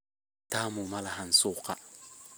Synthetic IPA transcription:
taːmʊmalahansʊka

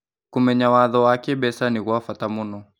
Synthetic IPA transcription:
kumɛɲawaðɔwakɛɓɛsaniɣuafatamunɔ

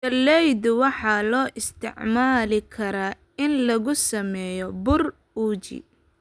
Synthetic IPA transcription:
tɐlːɛjd̪ʊwɑħɑlɔːʔɪst̪ʰɪ̰ʕmaːlɪkʰɐɾaː | ɪnlɐɣʊsɐmɛːjɔbʊr | uːt͡ʃḭ

